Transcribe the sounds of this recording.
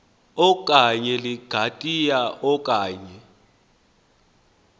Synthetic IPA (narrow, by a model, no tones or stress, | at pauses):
ɔk̬ʼaɲɛliɡ̥ʱatʼijaʔɔkʼaːɲɛ